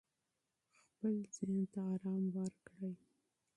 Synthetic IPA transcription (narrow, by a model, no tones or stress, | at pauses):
xpəlzent̪aɑɾɑmwəɾkɽəj